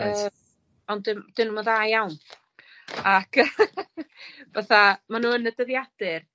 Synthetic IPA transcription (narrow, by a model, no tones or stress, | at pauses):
əː | ɔndɪmd̥ɪnumɔðajawn | akə | vaθamanuːənədəðjad̥ɪr